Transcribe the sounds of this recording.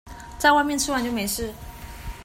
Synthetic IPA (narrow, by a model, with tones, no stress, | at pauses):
t͡sa˥˧ɪwa˥˧ɪmjɛ˥˧nʈ͡ʂʰɻ̩˥˧wa˥nt͡ɕo˥˩me˨˧˥ɪʂɻ̩˥˩